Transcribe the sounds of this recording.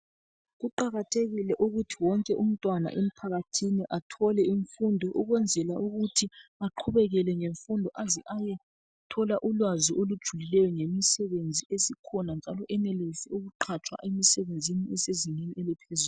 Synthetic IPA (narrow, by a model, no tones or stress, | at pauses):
ɣuǃaɣatʰeɣilɛʔuɣutʰiwɔŋkʼɛʔum̩tʼwana̰ʔem̩pʰaɣatʰiniʔatʰɔlɛiɱfundʱɔʔuɣwɛnd͡zʱɛlaʔuɣutʰiaǃʰuβɛɣɛlɛŋeɱfundʱɔʔaziʔajɛ | tʰɔlaʔulwaziʔolud̥ʒ̥ʱulilɛjɔŋemisɛβend͡zʱiesikʰɔnand͡ʒʱalɔʔɛnɛlesiuɣuǃʰat͡ʃʰʼwa̰ʔemisɛβend͡zʱiniɛsezineniɛlɛpʰezul